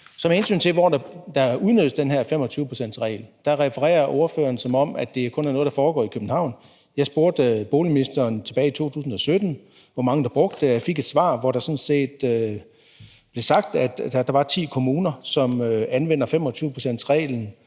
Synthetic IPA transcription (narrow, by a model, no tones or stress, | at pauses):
sɒ̽mehe̝nsy̰ːnt͡sʰe̝lʋɒd̥ɑd̥ɑ̈uðˠnøð̥ˠəsd̥enɦæɐ̰fem̰ɒt͡sʰyːʊpʰosen̰d̥sʁɛ̰ːɪld̥ɑ̈ʁɛfəʁɛ̰ːɐʔo̝ɐfø̰ːɐnsɒ̽mɒ̽mʔæd̥e̝æɐkʰɔ̽næɐnɔ̽ðˠdɑ̈fɒːɡ̥ɒ̰ːikʰøb̥n̩hɑ̈ʊ̰n | jɑ̈ɪsb̥o̝ɐd̥b̥o̝ːliminisd̥ɐːnt͡sʰe̝b̥ɛːɪit͡sʰo̝̰ːt͡sʰṵːsn̩ɒ̽sød̥n̩ | ʋɒmɑ̈ŋəd̥ɑ̈b̥ʁɔ̽ɡ̥̚d̥əfe̝ɡ̥e̝d̥sʋɑ̰̈ːʋɒɾ̥ɑ̈sɒ̽nse̝̰ːd̥ø | b̥le̝sɑ̈ɡ̥̚d̥æd̥d̥ɑ̈ʋɑ̈t͡sʰḭːkʰo̝muːnɐsɒ̽møænʋenɐfem̰ɒ̽t͡sʰyːʊəpʰʁo̝sen̰d̥sʁɛ̰ːln̩